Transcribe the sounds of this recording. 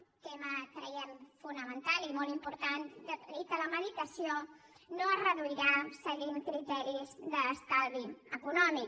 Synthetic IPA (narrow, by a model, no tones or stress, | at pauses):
t̪ɛmət̪ɾəjɛmfunəmənt̪alimolˠimpuɾt̪and̪ət̪it̪ələməðit̪əsio | noərəðuiɾasəɣimkɾit̪ɛɾizðəːst̪alβiəkunɔmik